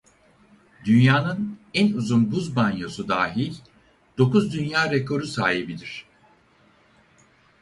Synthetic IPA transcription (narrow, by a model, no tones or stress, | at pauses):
d̪ynjaːnɯnænuzunbuzbanjo̞sud̪aːɦilʲ | d̪̥o̞kuzd̪ynjaːɾekʰo̞ɾusaːɦibid̪iɾ̝̥